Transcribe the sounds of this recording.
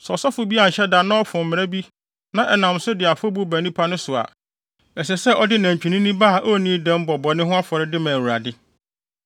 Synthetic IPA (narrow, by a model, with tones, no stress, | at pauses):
sɔ˨sɔ˦fʊ˨bi˦a˨ɲ̩˨ɕɛ˦da˨nã˦ɔ˦fʊ̃˨m̩˨m̃˨ɾæ˦bi˦ | nã˨ʔɛ˨nã˨msʊ˦dɪ˨a˨fɔ˦bu˦bæ˨nĩ˦pʰa˦nʊ̃˦sʊ˨a̰˨ | ɛ˨s̬ɛ˨sɛ˦ʔɔ˦dɪ˦næ̃˨ɲ˨t͡ɕᶣi˨nĩ˦nĩ˦ba˦˨ʔo˦nĩ˦dɛ̃˦m˦bɔ˨bɔ˨nɪ̃˦ɦʊ̃˦a˦fɔ˨ɾɪ˦dɪ˦mã˨wu˨ɾa˨dɪ˦